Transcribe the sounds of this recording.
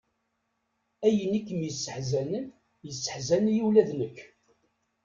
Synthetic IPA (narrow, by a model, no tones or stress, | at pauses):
æjənikːəmjəsːəħzænən | jəsːə̥ħzænjiwlæðnəç